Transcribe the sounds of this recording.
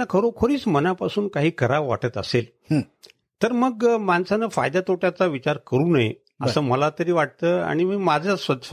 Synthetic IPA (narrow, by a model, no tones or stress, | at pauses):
akʰəɾokʰoɾiːt͡smənapasuːnkaɦiːkəɾaʋːa̰ʈət̪ə̰sel | t̪əɾməɡmansanəfa̰jd̪at̪oʈjat͡saʋit͡ɕaɾkəɾuːnəɦḛ | ə̰səːməlat̪əɾiːʋaʈ̚t̪əːa̰ɽ̃imiːmad͡zʱasʋət̪